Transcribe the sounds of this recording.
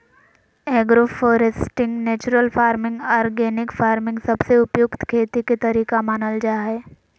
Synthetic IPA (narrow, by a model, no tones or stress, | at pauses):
ɛːɡɾofɔːɾesʈɪ̃ŋɡneːt͡ʃʊɾəlfaːɾmɪ̃ŋɡaːɾɡeːnɪkfaːɾmɪ̃ŋɡsɐbseʊpjʊkt̪kʰeːt̪iket̪ɐɾiːkamaːnəld͡ʒaːɦɛː